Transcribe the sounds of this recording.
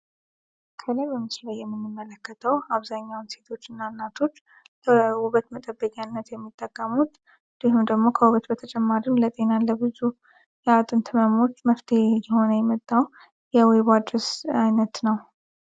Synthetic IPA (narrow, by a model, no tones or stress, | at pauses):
kʰələjbəmɨslajːɛmːɨnːɨmːələkːət̪ʰəwaβzaɲːawnse̞t̪ʰo̞t͡ʃːɨnːanːat̪ʰo̞t͡ʃː | kʰəuβət̪mət̪ʼəbːəkʼanːət̪jɛmːit̪ʼːəkʼːəmut̪ | d̪̥ihɨmd̪əɡmo̞kʰəwuβət̪bət̪ʰət͡ʃʼɛmːaɾimlət̪ʼe̞nalːəbɨzu | jɛat̪ʼɨnt̪ʰɨməmo̞t͡ʃːməft̪ʰejɛho̞nəjɛmət̪ʼːaw | jɛweβad̪ɾəsajnət̪nəw